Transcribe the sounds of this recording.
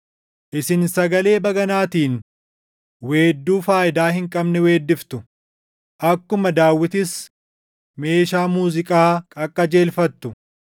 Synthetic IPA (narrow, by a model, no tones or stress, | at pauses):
ʔɪsɪnsɐɡɐle̞ːbɐɡɐnaːt̪iːn | we̞ːd̪ːuːfaːʔɪd̪aːhɪŋkʼɐbnɛwe̞ːd̪ːɪft̪ʊ | ʔɐkːʊmɐd̪aːwːɪt̪ɪs | me̞ːʃaːmuːzɪkʼaːkʼɐkʼːɐd͡ʒe̞ːlfɐt̪ːʊ